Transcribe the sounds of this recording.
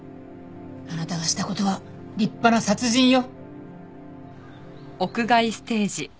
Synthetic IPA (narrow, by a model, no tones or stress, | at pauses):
anat̪aɡaɕi̥t̪ako̞t̪o̞βa | ɾʲipːanasat͡sɨʑĩɰ̃jo̞ | o̞kɯ̟ɡaisɨ̥t̪e̞ːʑi